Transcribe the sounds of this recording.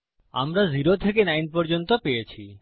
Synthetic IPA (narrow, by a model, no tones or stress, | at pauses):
a̰mɾaziɾot̪ʰek̬enajnpɔɾd͡ʑont̪opejet͡ɕʰi